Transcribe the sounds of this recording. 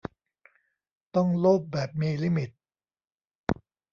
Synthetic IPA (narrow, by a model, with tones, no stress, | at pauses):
t̪ɔ˥˩ŋloː˥˩p̚bɛː˨˩p̚miː˧liː˧mi˨˩t̪̚